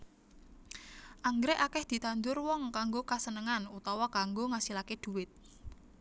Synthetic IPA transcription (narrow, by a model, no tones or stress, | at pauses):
ʔaŋɡɾɛʔakɛhd̪̥i̤t̪and͡ʒ̪ʊrwɔŋkaŋɡokasənəŋanut̪ɔwakaŋɡoŋasilaked̪̥ṳwɪt̪̚